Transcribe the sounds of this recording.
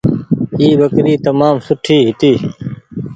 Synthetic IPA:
iːbəkɾiːt̪əmaːmsʊʈʰiːɦɪt̪iː

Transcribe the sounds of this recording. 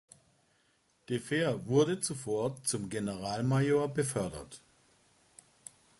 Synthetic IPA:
d̥efeːɐvʊɐdət͡sufoːɐt͡sʊmɡenəʁaːlmajoːɐbəfœɐdɐ̰t

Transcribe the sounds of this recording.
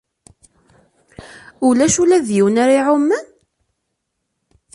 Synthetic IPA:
ʊlæʃulæðjiwnaɾiʕʊmːən

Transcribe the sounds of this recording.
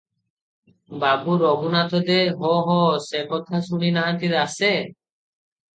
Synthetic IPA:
babuɾɔbunat̪ʰɔd̪eɦɔɦɔsekɔt̪ʰasuɽ̃inaɦat̪id̪ase

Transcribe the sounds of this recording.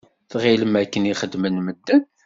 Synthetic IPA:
θʁiləmækːəniχəd̪mənməd̪ːən

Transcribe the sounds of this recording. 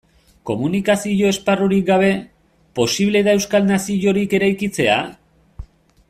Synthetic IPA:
ko̞munikasiʝo̞e̞sparuɾik̚ɡaβ̞e̞ | po̞siβle̞ðae̞wskalnasiʝo̞ɾike̞ɾajkit͡se̞a̰

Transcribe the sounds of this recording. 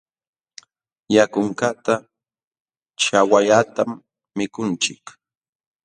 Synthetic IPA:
jakʊŋkat̪a | t͡ʃawaʎat̪amː | ɪkʊnt͡ʃɪk

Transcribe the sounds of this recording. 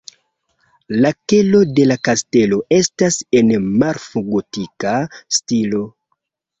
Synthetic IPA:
lake̞lo̞de̞lakaste̞lo̞ʔe̞stase̞nmaɾfuɡotikastilo̞

